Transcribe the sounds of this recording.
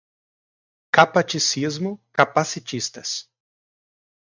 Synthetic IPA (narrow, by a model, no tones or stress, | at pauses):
kapat͡ʃisizmʊkapasit͡ʃist̪ɐs